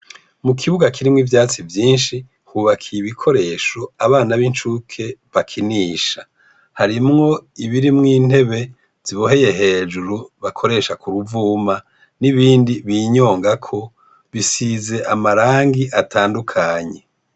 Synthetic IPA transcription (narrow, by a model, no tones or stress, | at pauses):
mukʰiβuɡakʰiɾimŋivjaːt͡sivjiːnʃi | huβakʰijiβikʰo̞ɾe̞ʃo̞aβaːnaβint͡ʃukʰe̞βakʰiniːʃa | haɾimŋo̞iβiɾimŋiːn̥he̞βe̞ | z̥iβoɦe̞je̞ɦe̞ːd͡ʒuɾuβakʰo̞ɾe̞ʃakuɾuvuːma | niβiːndiβiːɲo̞ːŋɡakʰo̞ | βisize̞ʔamaɾaːŋɡiʔatʰaːndukʰaɲe̞